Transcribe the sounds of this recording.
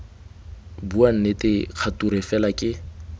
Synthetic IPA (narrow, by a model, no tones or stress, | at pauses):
buan̩netʼɪq͡χʰatuɾɛfɛlakʼɪ